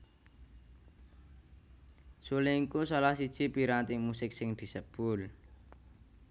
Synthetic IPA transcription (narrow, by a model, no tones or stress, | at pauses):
suliiŋkusalahsid̥ʒ̥i̤piɾant̪imusɪk̚sɪŋd̪̥i̤səb̥ʊl